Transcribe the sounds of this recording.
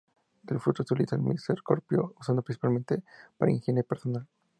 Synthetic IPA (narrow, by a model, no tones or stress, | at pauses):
elfɾut̪osolit̪aḛmḭseɾko̰ɾpjousand̪opɾinsipalment̪epaɾa̰iŋxenepeɾsonal